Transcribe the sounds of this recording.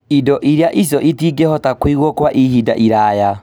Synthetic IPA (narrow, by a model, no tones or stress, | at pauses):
idɔʔiɾjaʔis̬ɔʔitiːɡɛhɔtakwiɣwɔkwaʔihida̰ʔiɾaːja